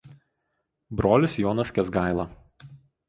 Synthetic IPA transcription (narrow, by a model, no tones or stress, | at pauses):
bɾoːlʲɪsjɔːnɐsʲkʲɛzɡɑˑɪlˠɐ